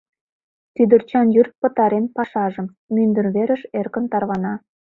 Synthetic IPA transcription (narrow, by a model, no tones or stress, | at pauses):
t̪yd̪ə̆rt͡ɕɑnjyrt̪̚pə̆t̪ɑɾenpɑʃɑʒə̆m | mynd̪ə̆rβeɾə̆ʃerkə̆nt̪ɑrβɑnɑ